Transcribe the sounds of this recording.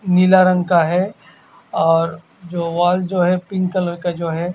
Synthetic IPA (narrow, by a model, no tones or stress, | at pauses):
nilaɾə̃ŋɡkaɦɛ | ɔːɾ | d͡ʒoːʋaːld͡ʒoːɦɛpɪ̃ŋɡkələɾkad͡ʒoːɦɛ